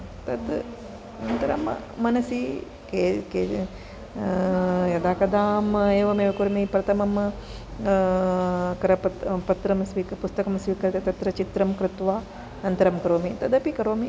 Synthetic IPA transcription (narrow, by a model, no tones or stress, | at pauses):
t̪ɐd̪ | nɐnt̪ɐɾɐ̰mː | ɐnɐsi | keke | jɐd̪aːkɐd̪aːmeːʋɐmeːʋɐkuɾɐmipɾɐt̪ʰɐmɐm | kɐɾɐpɐt̪pɐt̪ɾɐmsʋikpust̪ɐkɐmsʋiːkɐɾt̪ɐt̪ɐt̪ɾɐt͡ʃit̪ɾɐmkɾɪt̪ʋaː | nɐnt̪ɐɾɐmkɐɾoːmit̪ɐd̪ɐpikɐɾoːmi